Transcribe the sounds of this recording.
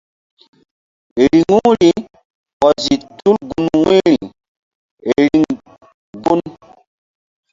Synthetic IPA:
ɾi˨ŋu˦ɾi˨ | ʔɔ˨zi˨tu˦lɡu˨nwe˦ɾi˨ | ɾi˨ŋ | ɡu˦n

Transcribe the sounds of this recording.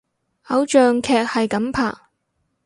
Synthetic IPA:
ʔɐ˨˥wt͡ʃœː˨ŋkʰɛː˨k̚hɐ˨jkɐ˨˥mpʰa̰ː˨˩

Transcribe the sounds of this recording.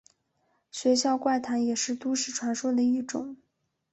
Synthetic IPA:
ɕɥɛ˧˥ɕjɑ˥˧ʊkwa˥˩ɪt̪ʰa˧˥njɛ˨˩ʂɻ̩˥˩˧t̪u˥ʂɻ̩˥˩ʈ͡ʂʰwa˧˥nʂwɔ˥d̪ə˨i˥˩ʈ͡ʂʊ˨˩˦ŋ

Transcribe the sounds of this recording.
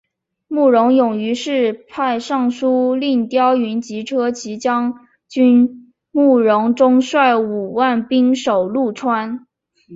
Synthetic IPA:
mu˥˩ɻʊ˧˥ŋjʊ˨˩ŋy˧˥ʂɻ̩˥˧pʰa˥˧ɪʂɑ˥˩ŋʂu˥li˥˩ŋt̪jɑ˥ʊy˧˥nt͡ɕi˧˥ʈ͡ʂʰɤ˥t͡ɕʰi˧˥t͡ɕjɑ˥ŋ | t͡ɕy˥n | mu˥˩ɻʊ˧˥ŋʈ͡ʂʊ˥ŋʂwa˥˩ɪu˨˩wa˥˩npi˥ŋʂo˨˩ʊlu˥˩ʈ͡ʂʰwa˥n

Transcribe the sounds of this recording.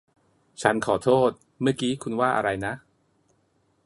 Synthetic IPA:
t͡ɕʰa˦˥nkʰɔː˩˦t̪ʰoː˥˩t̪̚ | mɯ˥˩ɐkiː˦˥kʰu˧nwaː˥˩ʔa̰˧ɾa˧jna˦˥ʔ

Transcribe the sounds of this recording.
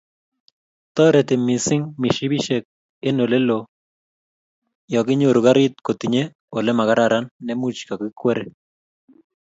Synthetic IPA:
t̪ɔ˦ɾɛ˨t̪e˨mi˨sɪ˦ŋmi˨ʃi˦bi˦ʃɛ˨k̚ | e˦no˨le˦lo | jɔ˨k̬i˦ɲo˦˨ɾu˨ka˦ɾi˦t̪̚ko˨t̪i˨ɲe˦ | o˨lɛ˦ma˨ka˦ɾaɾanːɛ˦mu˦t͡ʃka˨ki˦kwɛ˦ɾɛ˦

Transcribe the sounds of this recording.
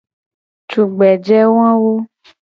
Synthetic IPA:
tu˨ɡ͡bɛ˨d͡ʒɛ˦wã˦wo˦

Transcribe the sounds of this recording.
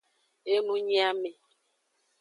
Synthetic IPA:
e˦nũ˦ɲi˦a˦me˨

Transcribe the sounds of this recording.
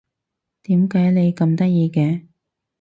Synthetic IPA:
t̪iː˨˥mkaː˨˥jle˨˧jkɐ˧mt̪ɐ˥t̚jiː˧kɛː˧

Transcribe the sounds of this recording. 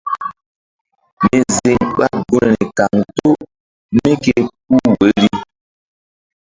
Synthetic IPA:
me˨ze˨ŋɓa˦ɡo˦˨ɾe˨ta˨ŋto˦ | me˦ke˦pu˦we˨˦ɾi˦

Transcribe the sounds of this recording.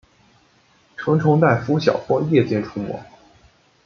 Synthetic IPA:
ʈ͡ʂʰɤ˧˥ŋʈ͡ʂʰʊ˧˥ŋt̪a˥˩ɪfu˥ɕjɑ̰˨˩ʊpwɔ˥jɛ˥˩t͡ɕjɛ˥˩nʈ͡ʂʰu˥mwɔ̰˧˥˦

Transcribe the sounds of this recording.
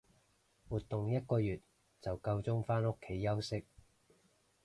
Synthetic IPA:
wuː˨t̪ːʊ˨ŋjɐ˥t̚kɔː˧jyː˨˩t̚ | t͡sɐ˨wkɐ˧wt͡sʊ˥ŋfaː˥nʊ˥kʰːe˨˥jːɐ˥wsɪ˥k̚

